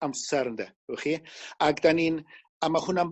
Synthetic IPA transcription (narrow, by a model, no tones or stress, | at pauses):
amsɛɾənd̪ɛ̰ | wɛχiaɡd̪aniːn | amahʊnam